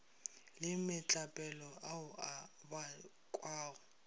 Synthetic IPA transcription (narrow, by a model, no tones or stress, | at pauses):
lɪmɪt͡ɬʼapʼɛlɔaʊʔaba | kʼwaːɣʊ